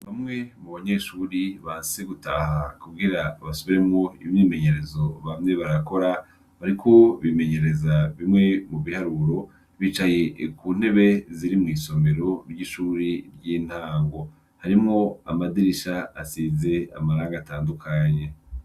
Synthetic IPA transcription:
βamŋe̞muβaɲe̞ʃuɾiβaːnseɡutaːhakuɡɡiɾaβasoβiɾemŋoimɲiːme̞ɲe̞ɾe̞zo̞βamŋe̞βaɾako̞ɾa | βaɾikʰo̞βime̞ɲe̞ɾe̞zaβimŋe̞muβihaɾuɾo̞ | βiːt͡ʃaje̞kuːn̥he̞βeziɾimŋiːso̞mbe̞ɾo̞ɾɟiʃuːɾiɾɟiːn̥haːŋɡo̞ | haɾimŋo̞a̰madiɾiʃaasize̞a̰maɾaːŋɡaːtaːndukʰaɲe̞

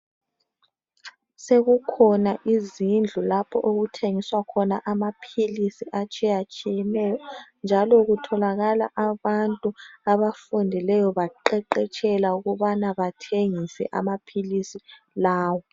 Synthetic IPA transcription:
seɣukʰɔnaʔizind͡ɮʱulapʰɔʔoɣutʰeŋiswakʰɔnaʔamapʰilisiʔat͡ʃʼɛjat͡ʃʼijɛnɛːjɔnd͡ʒʱalɔɣutʰɔlaɣalaʔaβantʼuaβafundʱilɛjɔβaǃɛǃɛt͡ʃʼɛlauɣuβanaβatʰeŋisɛ̰ʔamapʰilisi | laːwɔ

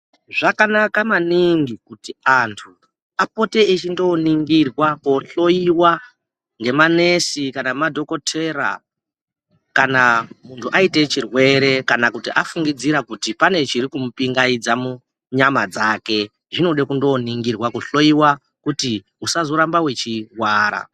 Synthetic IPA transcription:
ʐakanakamaniŋɡikutiantʰu | apo̞te̞it͡ʃindo̞niŋɡirwako̞ɬo̞iwa | ŋɡe̞mane̞sikanamadʱo̞ko̞tʰe̞ɾa̰ | kanamuntʰuʔaite̞t͡ʃirwe̞ɾe̞kanakutiʔafuŋɡid͡ziɾakutipane̞t͡ʃiɾikumupiŋɡaid͡zamu | ɲamad͡zake̞ | ʐino̞ɗekundo̞niŋɡirwakoɬo̞iwa | kuti | usazo̞ɾambawe̞t͡ʃiwaːɾa̰

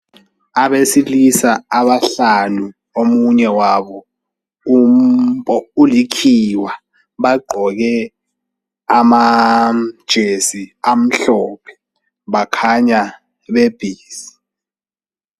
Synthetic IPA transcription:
aɓesilisaaɓaɬanu | omuɲɛwaɓɔ | um̩pʼɔulikʰiwa | ɓaɡ͡ǃʱɔk̬ɛ | ama | d̥ʒ̥ʱesiam̩ɬɔːpʰɛ̥ | ɓakʰaɲa | ɓeb̥ʱiːsi̥

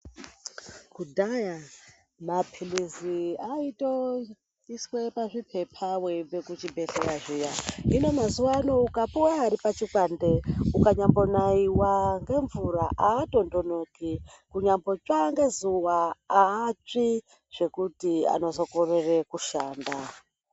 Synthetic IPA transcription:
kudʱaja | mapʰiliziaito | iswepaʐipʰepʰaweibekut͡ʃibeɬejaʐijaɦino̞mazuwanoukapuwaːɾipat͡ʃikwandeukaɲambo̞naiwaŋɡe̞ɱvuɾaʔaːto̞ndonoki | kuɲambo̞t͡ʃaŋɡe̞zuwaː | t͡ʂi | ʐ̥e̞kutia̰no̞zo̞korerekuʃaːnda

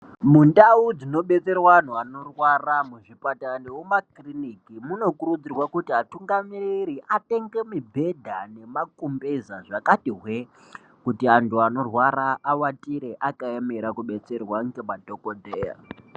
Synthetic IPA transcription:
mundaud͡zino̞ɓe̞t͡se̞rwaːn̤uano̞rwaramuʐipatandewumakrinikimuno̞kuɾud͡zirwakutiɦatuŋɡamiriɾiʔate̞ŋɡe̞mibʱe̞dʱane̞makumbezaʐakatiɦwe | kutiantuano̞rwaɾaːwatiɾeʔakaemeɾakuɓe̞t͡se̞rwaŋɡemadʱokodʱeːja̰

